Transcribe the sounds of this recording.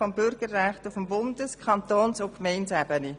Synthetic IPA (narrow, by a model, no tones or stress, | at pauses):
fɔmbʏɾɡ̥əɾːæχtufəmbʊndəskʰɑnt̪oːnsʊkmɛɪnsæbəni